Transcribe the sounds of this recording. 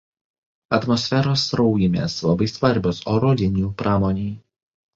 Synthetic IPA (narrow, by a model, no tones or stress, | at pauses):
ɐt̪mɔsʲfʲɛɾoːsɾɒʊjɪmʲeːslˠɐbɐɪsʋɐɾʲˑbʲosoːɾoːd̪ʲɪnʲuːpɾʔɑːmɔːnʲiː